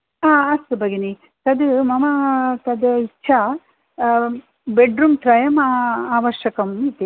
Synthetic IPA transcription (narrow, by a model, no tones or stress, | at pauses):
aːɐst̪ubɐɡeni | t̪ɐd̪umɐmɐt̪ɐd̪ɐitːt͡ʃʰa | beɖɾuːmt̪ɾɐjɐmaːʋɐʃjɐkɐmit̪i